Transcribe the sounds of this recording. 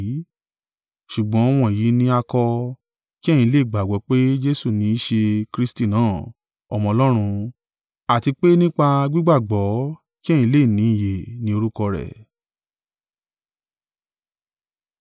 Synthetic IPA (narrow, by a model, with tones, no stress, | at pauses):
ʃu˨ɡ͡bɔ̃˨˦ɔ˧w̃ɔ̃˧˨ji˨˦nĩ˧˦a˧kɔ˧ | ki˦ɛ˦˨j̃ĩ˧˦le˦˨ɡ͡ba˨ɡɔ˨˦k͡pe˦d͡ʒe˦su˦˨nĩ˧˦i˦ʃe˧kɾi˦sti˦˨nãː˦˨ | ɔ̰˧mɔ̃˧ɔ˧lɔ˦ɾ̃ũ˧ | a˨ti˧k͡pe˦nĩ˦k͡pa˧ɡ͡bi˦ɡ͡ba˦˨ɡ͡bɔ˨˦ | kĩ˦˨ĩ˧˦le˦˨nĩ˨˦i˨je˨nĩ˨˦o˧ɾu˦kɔ˧ɾɛ̰˨